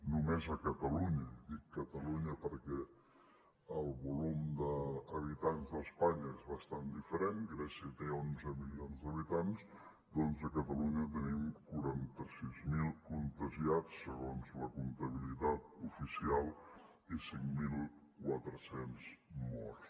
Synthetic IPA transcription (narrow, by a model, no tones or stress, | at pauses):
numezəkət̪əluɲəd̪ikːət̪əluɲəpəɾkɛ | əlˠβulumd̪əːβ̞it̪anzðəspaɲəezβəst̪and̪ifəɾeŋɡɾɛsiət̪eonzəmilionzd̪əβit̪anz | d̪ɔnzəkət̪əluɲət̪ənimkuɾant̪əsizmilˠkunt̪əʒiat͡sːəɣonzləkunt̪əβ̞ilit̪at̪̚ufisialˠ | isiŋmilˠkwat̪ɾəsenzmɔɾs